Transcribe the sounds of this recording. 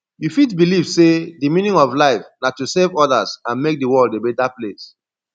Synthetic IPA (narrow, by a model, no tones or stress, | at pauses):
jufitbilivsedimĩnĩŋɔvlaɪfnatusevɔdazãnmek̚dəwɔldebɛtaples